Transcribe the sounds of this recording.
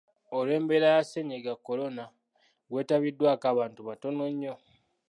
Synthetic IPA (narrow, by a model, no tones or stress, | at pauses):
ole̞ːmbeɾajaseɲeɡakːo̞lo̞na | ɡwe̞ːtaβidːwaːkaːβaːntuβato̞no̞ɲːo̞